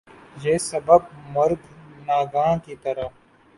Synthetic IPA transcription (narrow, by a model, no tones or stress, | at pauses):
jeːsɐbəb̚mɐɾɡnaːɡãːkit̪ɐɾə